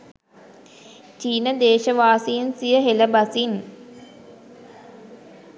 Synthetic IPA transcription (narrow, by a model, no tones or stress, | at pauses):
t͡ʃiːnəd̪eːʃəʋaːsiːnsijəɦeləbasin